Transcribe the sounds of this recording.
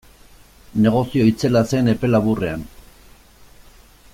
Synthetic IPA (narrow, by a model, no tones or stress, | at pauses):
ne̞ɣ̞o̞sio̞it͡se̞lase̞ne̞pe̞laβure̞a̰n